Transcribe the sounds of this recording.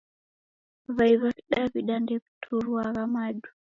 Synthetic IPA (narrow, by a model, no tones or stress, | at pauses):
vajvakɗabiɗandɛbtʰuɾuwaɾamadu̥